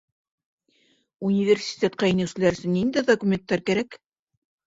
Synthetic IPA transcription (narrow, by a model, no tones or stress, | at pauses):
unʲivʲersʲi̥t̪ʲet̪̚qɑinɘ̆wsɘ̆læɾɘ̆sɘnnːind̪æd̪okumʲent̪ːɑɾkæɾæk